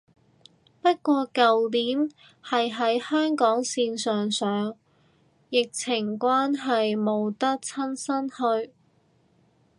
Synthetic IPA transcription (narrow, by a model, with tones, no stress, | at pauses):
pɐ˥t̚kʷɔː˧kɐ˨wliː˨˥n | hɐ˨jɦɐ˨˥jhœː˥ŋkɔː˨˥ŋsiː˧nsœː˨ŋsœː˨˥ŋ | jɪ˨k̚t͡sʰɪ˨˩ŋkʷaː˥nɦɐ˨jmo˨˧wt̪ɐ˥k̚t͡sʰɐ˥nsɐ˥nhɵ˧ɥ